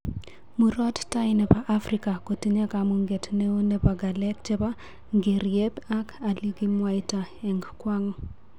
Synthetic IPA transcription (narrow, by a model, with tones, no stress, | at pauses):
muɾɔ˦tta˦ɪnɛpaʔafrika˨ko˨ti˦ɲe˦kamuŋɡe˨tne˦o˦ne˦paɡa˨lɛ˦kt͡ʃe˦ba˦ | ŋɡe˨ɾje˦ba˦kʰa˨li˦ɡi˦mwajtaɛ˨ŋɡkwaŋ